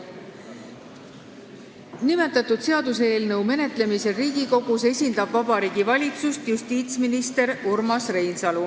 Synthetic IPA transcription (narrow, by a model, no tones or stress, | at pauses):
nime̞t̪ːˑɑt̪ːˑud̪̥se̞ɑd̪useːlnɤwme̞ne̞t̪ˑle̞mise̞ɾiːɡ̥iko̞ɡ̥use̞sʲind̪̥ɑb̥vɑbɑɾiːɡ̥ivɑlʲit̪sust̪just̪iːt̪sminist̪e̞ɾuɾmɑsre̞jnsɑlu